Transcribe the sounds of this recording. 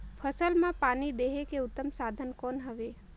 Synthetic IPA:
pʰəsəlmãpanid̪eɦekeʊt̪ːəmsad̪ʱənkonɦəʋe

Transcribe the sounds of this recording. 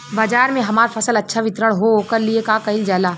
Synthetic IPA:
baːd͡ʒaːɾmẽɦɐmaːɾfʰɐsəlɐtːʃʰaʋɪt̪ɾəɽ̃ɦokɐɾliekaːkɐɪld͡ʒaːlaː

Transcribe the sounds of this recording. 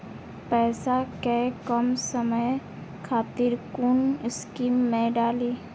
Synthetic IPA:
pɛːsakɛkəmsəməj | kʰaːt̪iɾkʊnɪskiːmːẽɖaːliː

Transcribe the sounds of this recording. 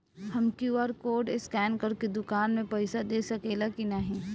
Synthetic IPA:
hɐmkjuːaːɾkoːɖɪskɛːnkɐɾked̪ʊkaːnmẽpɐɪsad̪eːsɐkeːlakinɐɦĩː

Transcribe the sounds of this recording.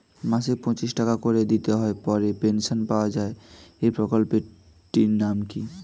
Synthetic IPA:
masik̚pɔ̃t͡ɕisʈakakoɾed̪it̪eɦɔepɔɾepenʃonpaoad͡ʑaeepɾokolpe | ʈinamki

